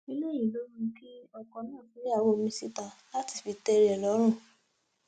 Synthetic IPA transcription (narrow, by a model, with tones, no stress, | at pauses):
nĩ˦le˦˨jĩ˨lo˦ɾ̃ũ˦˧˦ki˦ɔ˦˨kɔ˨˦nãː˦˨si˨˦ɾi˦a˦˨wo˦˨mĩ˧˦si˦ta˧la˦ti˨˧fi˧tɛ˧ɾi˨˦ɛ˨lɔ˨˦ɾ̃ũ˦˨